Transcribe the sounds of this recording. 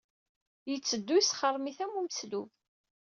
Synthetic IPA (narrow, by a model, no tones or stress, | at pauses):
jət͡sːəd̪ːujsχərˤmiθæmuməsluv